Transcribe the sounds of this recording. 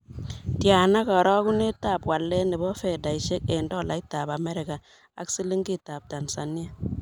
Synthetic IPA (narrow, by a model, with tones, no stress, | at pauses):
tja˨na˦kɔ˨ɾɔ˦ku˦ne˦ta˦˨pwa˨lːɛ˦ni˨bɔ˦fɛ˨da˨i˨ʃe˦ke˨ndɔ˦˨la˨i˦ta˨ba˨mɛ˦ɾɪ˨ka˨ | a̰˨ksi˦li˦ŋɡi˦˨ta˨p̚ta˨nsa˨ni˦a˨